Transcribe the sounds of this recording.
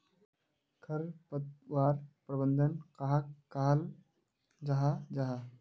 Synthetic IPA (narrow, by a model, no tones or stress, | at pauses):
kʰəɾpət̪waːɾpɾəbənd̪ʱənkaɦakkːaɦl | d͡ʒaɦad͡ʒaɦa